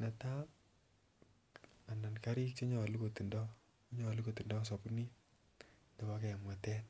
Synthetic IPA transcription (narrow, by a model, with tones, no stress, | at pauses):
na˨ta˦ | a˨na˨nkaɾi˦k̚t͡ʃɔ˦ɲɔ˨likoti˨ndɔ˦ | ɲɔ˨li˦koti˨ndɔ˦s̬ɔ˨puni˦ | ndɛ˨wakɛmwa˨tɛn